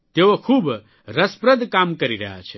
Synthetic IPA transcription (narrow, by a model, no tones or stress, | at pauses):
t̪eʋokʰuːb | ɾɐspɾəd̪ʱkaːmkɐɾiɾɐɦa̰t͡ʃʰe